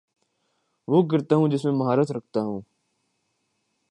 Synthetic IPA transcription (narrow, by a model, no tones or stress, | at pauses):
ʋoːk̬əɾt̪aːɦũːd͡ʒɪsmẽməɦaːɾət̪ɾəkʰt̪aːɦũː